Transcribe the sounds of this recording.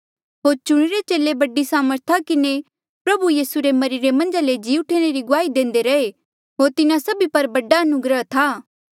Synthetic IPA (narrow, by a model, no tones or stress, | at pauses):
ɦoːɾt͡ʃʊɽ̃eɾet͡ʃeːlebɐɖisaːməɾt̪ʰakɪne | pɾɐbujiːsuɾemɐɾɪɾemɐ̃nd͡ʒaled͡ʒiːʊʈʰeɽ̃eɾiɡʊaːid̪ẽːn̆d̪eɾɐe | ɦoːɾt̪ɪnãsɐbipɐɾbɐɖaɐnʊɡɾət̪ʰaː